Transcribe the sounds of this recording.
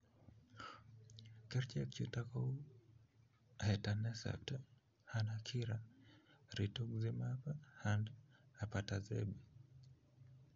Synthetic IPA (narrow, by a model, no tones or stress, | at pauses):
kɛɾt͡ʃɛkt͡ʃutakɔu | hɛtanɛsa̰t | hanakʰiɾa | ɾitukzimapahandapatazɛ̰bi